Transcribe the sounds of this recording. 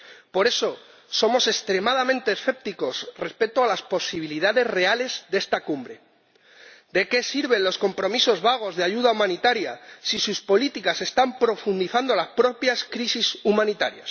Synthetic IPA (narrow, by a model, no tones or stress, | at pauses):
po̞ɾe̞so̞ | so̞mo̞se̞st̪ɾe̞mað̞amẽ̞nt̪e̞ːsθe̞p̚t̪iko̞sre̞spe̞t̪oalaspo̞siβ̞iliðaðe̞zre̞ale̞zðe̞st̪akumbɾe̞ | d̪e̞ke̞siɾβ̞e̞nlo̞sko̞mpɾo̞miso̞zβaɣ̞o̞zðeaʝuð̞aumãnit̪aɾjasisuspo̞lit̪ikase̞st̪ampɾo̞fund̪iθand̪o̞laspɾo̞pjaskɾisisumãnit̪aɾja̰s